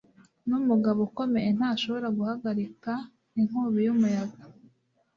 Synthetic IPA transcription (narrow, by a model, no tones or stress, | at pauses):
numuɡaβoko̞me̞jen̥haːʃo̞βo̞ɾaɡuhaɡaɾika | niŋ̥uːβijumujaɡa